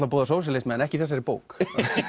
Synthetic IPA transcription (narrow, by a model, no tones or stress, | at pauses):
t̪lapuːðasoːws̬ɪlejst̪mɛðɛnɛhcɪθɛs̬ːɛɾɪpoːwk